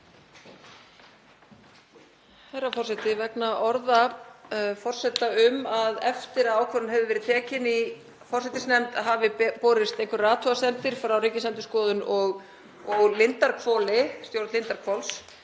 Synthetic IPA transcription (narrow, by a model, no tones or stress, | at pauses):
θɛrːafɔr̥sɛt̪ɪvɛknaʔɔɾða | fɔr̥sɛt̪aʏmaðɛft̪ɪɾaðaːwkʰvœɾʏnɦɛvðɪvɛːɾɪðt̪ʰɛːcɪni | fɔr̥sɛt̪ɪsnɛmt̪aɦaːvɪpɔːɾɪst̪ejŋkʏrraːt̪ʰɔast̪ɛnt̪ɪɾ̥fɾawriːcɪsɛnt̪ʏ̥skɔːðʏnɔɣ | ɔɣlɪnt̪aɾkʰvɔːlɪst̪jowɾ̥t̪lɪnt̪aɾkʰvɔls